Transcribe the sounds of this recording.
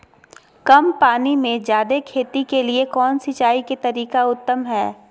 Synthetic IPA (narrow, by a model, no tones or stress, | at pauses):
kɐmpaːnimẽd͡ʒjaːd̪ekʰeːt̪ikeliekɔːnsɪt͡ʃaːiket̪ɐɾiːkaʊt̪ːəmɦɛː